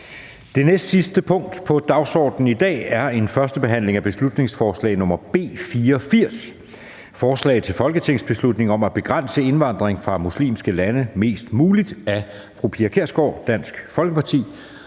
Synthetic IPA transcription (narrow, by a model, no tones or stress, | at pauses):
d̥e̝nesd̥sisd̥əpʰɔ̽ŋ̰d̥pʰɒ̽d̥ɑ̈ʊsɒ̰ːd̥n̩id̥ɛ̰ːæɐe̝nfɶɐsd̥əb̥e̝ɦæn̰le̝ŋæb̥e̝slud̥ne̝ŋsfɒːslɛ̰ːɪnɔ̽mɐb̥e̝̰ːfiːɐɒfiɐ̰s | fɒːslɛ̰ɪð̩ˠt͡sʰe̝lfɒ̽lɡ̥ət͡sʰe̝ŋ̰sb̥e̝slud̥ne̝ŋɒ̽mæb̥e̝ɡ̥ʁan̰səe̝nʋɑ̈n̰d̥ʁeŋfʁɑ̈muslḭːmsɡ̥əlænəme̝̰ːsd̥muːlid̥æ | fʁupʰiækʰeɐ̰sɡ̥ɒ̰ʊ̰d̥æn̰sɡ̥fɒ̽lɡ̥əpʰɑ̈t͡sʰḭː